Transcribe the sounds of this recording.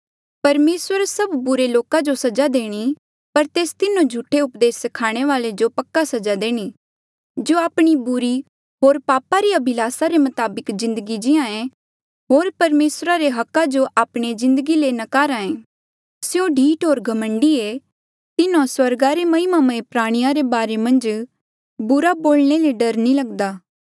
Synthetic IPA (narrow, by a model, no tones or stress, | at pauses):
pɐɾmeːswəɾsɐbːʊɾeloːkad͡ʒosɐd͡ʒad̪eːɽ̃i | pɐɾt̪eːst̪ɪnõd͡ʒʱuʈʰːeʊpd̪eːsɐkʰaːɽ̃eʋaːled͡ʒopɐkːasɐd͡ʒad̪eːɽ̃i | d͡ʒoːaːpɽ̃ibʊɾi | ɦoːɾpaːpaɾiɐbʱɪlaːsaɾemɐt̪aːbɪkzɪ̃nd̪əɡid͡ʒɪãẽ | ɦoːɾpɐɾmeːsɾaɾeɦɐkːad͡ʒoʔaːpɽ̃ezɪ̃nd̪əɡilenɐkaːɾãːẽ | sɪjõɖʱiːʈɦoːɾɡʱɐmə̃ɳɖie | t̪ɪnãswɐɾɡaɾemɐimamẽpɾaːɽ̃ɪjaɾebaːɾemɐ̃nd͡ʒ | bʊɾaboːlñeleɖɐɾnilɐɡd̪aː